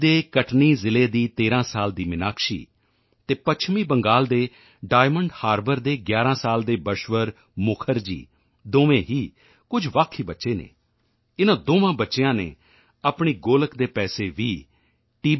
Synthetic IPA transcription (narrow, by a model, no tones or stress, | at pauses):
d̪eːkəʈʰniːzɪleːd̪iːt̪eːɾãːsaːld̪iːmɪnaːkʃḭː | t̪eːpət͡ʃʰmiːbəŋɡaːld̪eː | ɖaːɪməɳɖhaːɾbəɾd̪eːɡjaːɾãːsaːld̪eːbəʃʋəɾ | mʊkʰəɾd͡ʒḭː | d̪oːʋẽːɦiː | kʊd͡ʒʋaːkʰːiːbətːʃeːnḛː | ɪnãːd̪oːʋãːbətːʃeãːnḛː | aːpɳiːɡoːləkd̪eːpɛːseːʋiː | ʈiː